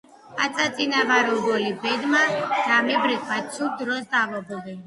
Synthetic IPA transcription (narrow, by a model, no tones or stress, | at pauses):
at̪sʼat̪sʼinavaɾuɡɔlibɛd̪maz̥amibɾikʰwasʰud̪ɾɔsd̪avɔbɔvɛ